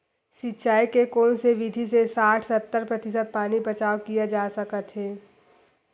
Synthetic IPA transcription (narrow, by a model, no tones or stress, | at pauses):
sɪtːʃaːikekoːnseʋɪd̪ʱisesaːʈʰsət̪ːəɾpɾɐt̪ɪsəd̪̚paːnibɐt͡ʃaːwkijad͡ʒaːsəkət̪ɦɛː